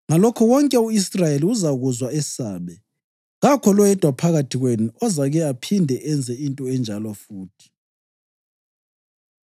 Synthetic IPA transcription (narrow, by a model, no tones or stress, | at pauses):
ŋalɔkʰɔwɔŋkʼɛuisrajeliuzaɣuzwaɛsaːɓɛ | ɣakʰɔlɔjɛd̥ʱwapʰaɣatʰiɣwenuɔzaɣɛapʰindʱɛʔɛnd͡zʱɛintʼɔɛnd͡ʒʱalɔfuːtʰi̥